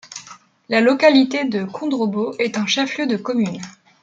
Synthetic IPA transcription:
lalɔkalit̪ed̪əkʰɔ̃d̪ʁoboʔɛt̪ɛ̃ʃaflød̪əkɔmyn

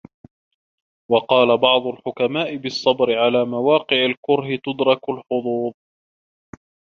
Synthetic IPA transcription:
wɑqɑːlabɑʕd̪ˤʊlħʊkamaːʔɪbɨsˤːɑbɾɪʕalaːmawɑːqɪʕalkʊɾɦɪt̪ʊd̪ɾˤɑkʊlħʊd̪ˤuːðˤ

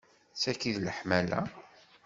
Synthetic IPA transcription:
t͡sːækiðləħmælæ̰

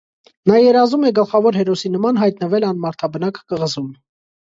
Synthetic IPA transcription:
nɑjɛɾɑzumɛɡəlχɑvɔɾɦɛɾɔsinəmɑnɦɑjt̪nəvɛlɑnmɑɾt̪ʰɑbənɑkkəʁəzum

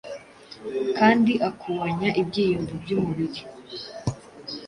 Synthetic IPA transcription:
kaːndiʔakʰuβaɲaʔibɟiːjomvubɟumuβiɾi

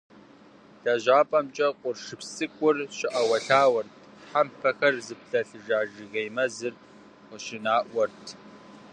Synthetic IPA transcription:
ɬɐʒaːpʼɐmt͡ʃʼɐqʷʼʊrʂɨpsɨkʷʼʊrɕɪʔɐwɐɬaːwɐrtʰħampʰɐxɐrzɨpɬɐɬɨʒaːʒɨɣejmɐzɨr | qʷʊʃɪnaːʔʷɔrtʰ

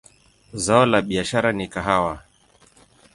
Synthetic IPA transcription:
zaɔlaɓiaʃaɾanikaɦawa

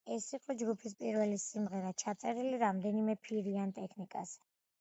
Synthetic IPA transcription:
ɛsiqʼɔd͡ʒɡupʰispʼiɾvɛlisimʁɛɾat͡ʃʰat̪sʼɛɾiliɾamd̪ɛnimɛpʰiɾiant̪ʼɛkʰnikʼa̰zɛ

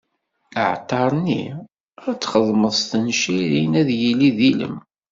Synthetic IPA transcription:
əʕt̪ˤːɑɾˤnḭ | æt͡sːχəðˤməðˤst̪ənʃiɾinæðjiliðilə̰m

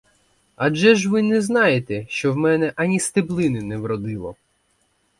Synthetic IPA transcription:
ɐʒɛʒʋɪnɛznɑjet̪ɛʃt͡ʃɔwmɛnɛʔɐnʲist̪eblˠɪnɪnɛʋɾɔd̪ɪlˠɔ̰

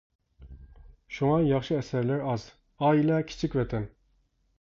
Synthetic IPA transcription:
ʃuŋɑjɑχʃɨɛsɛɾlæɾɑz̥ | ɑilˠɑkʲʰi̥t͡ʃʰikʲvɛt̪ʰɛn

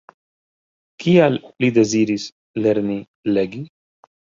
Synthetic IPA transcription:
kiallid̪eziːɾis | leɾni | leɡi

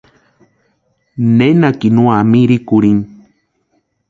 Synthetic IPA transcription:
nenakinũamiɾikuɾin

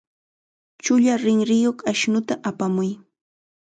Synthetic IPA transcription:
t͡ʃʊʎaɾɪŋɾɪjoχaʃnʊt̪aʔapamʊj

